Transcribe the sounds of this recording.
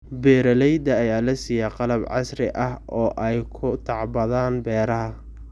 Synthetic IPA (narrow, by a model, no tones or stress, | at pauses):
bɛːɾɐlɛjd̪ɐːjaːlɐsijaːqɑlɐbʕɑ̰sɾɪ̰ʔɐhʔɔːʔɛjkʰʊt̪ʰɑʕbɐðaːnbɛːɾɐɦɐ